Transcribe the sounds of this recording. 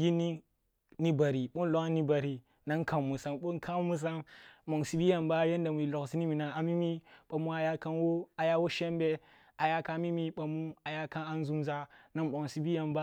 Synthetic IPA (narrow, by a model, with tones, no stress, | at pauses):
ji˦ni˦ | ni˦ba˨ɾi˨ɓo˦nlo˦kni˦ba˨ɾi˨ | na˦ŋ˦kʰa˨mmːu˨sa˨mɓo˦nkʰa˦mu˦s̬a˦mmo˨ŋsi˨bi˦ja˨mba˦je˦n˦da˨mu˨i˨lo˨ksi˦ni˦mi˨na˨a˨mi˦mi˦ɓ̥a˨mu˦a˨ja˦ka˦nwo˦a˨ja˦wo˦ʃe˦mbe˦ | a˨ja˦ka˦˨˦mi˦mi˦ɓa˨mu˦a˨ja˦ka˦na˦n˦zu˦mza˦na˦nɓo˨ŋsi˦bi˦ja˨mba˦